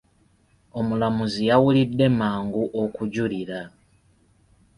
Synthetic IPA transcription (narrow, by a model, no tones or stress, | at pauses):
o̞mulamuzijawulidːe̞maːŋɡuʔokuɟuliɾa